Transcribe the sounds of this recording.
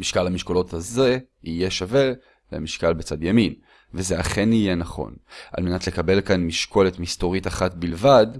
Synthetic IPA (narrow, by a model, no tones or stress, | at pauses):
miʃkalhamiʃkolo̞thaze̞ | ije̞ʃave̞ | lḛmiʃkalbet͡sadjamin | vezeaχe̞nije̞naχo̞̰nʔa̰lme̞natle̞kabe̞lkanmiʃko̞letmisto̞ʁitaχatbilvad